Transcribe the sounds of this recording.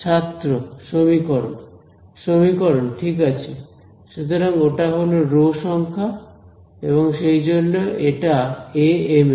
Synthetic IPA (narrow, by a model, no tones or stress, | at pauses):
t͡ɕʰat̪ːɾoʃomikɔɾon | ʃomikɔɾonʈʰikat͡ɕʰe | ʃut̪ʰɔɾaŋoʈaɦoloɾoʃɔŋkʰa | eβɔŋʃejd͡ʑonːoeʈaeeme